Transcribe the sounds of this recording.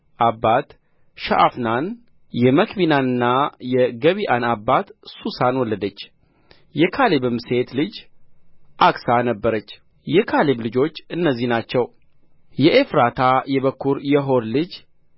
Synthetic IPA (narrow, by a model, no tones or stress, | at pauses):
ʔabːat̪ | ʃa̰ʔa̰fnan | jɛməkʰbinanɨnːajɛɡəβiʔanabːat̪susanwɔlːəd̪ət͡ʃː | jɛkʰalebɨmse̞t̪lɨd͡ʒ | ʔaksanəbːəɾət͡ʃː | jɛkʰaleblɨd͡ʒo̞t͡ʃːɨnːəzːihnat͡ʃːɛw | jɛʔefɾat̪ʰajɛβəkʰːuɾjɛɦo̞ɾlɨd͡ʒ